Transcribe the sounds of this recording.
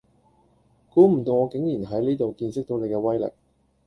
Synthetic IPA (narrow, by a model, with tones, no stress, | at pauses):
kuː˨˥m̩˨˩t̪o˧wŋɔː˨˧kɪ˨˥ŋjiː˨˩nɦɐ˨˥jniː˥t̪o˨wkiː˧nsɪ˥k̚t̪o˧wne˨˧jkɛː˧wɐ˥jlɪ̰˨˩k̚